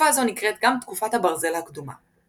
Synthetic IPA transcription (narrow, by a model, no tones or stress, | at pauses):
aːzo̞nikʁet̪ɡamt̪kufathabaʁze̞lhakd̪uma̰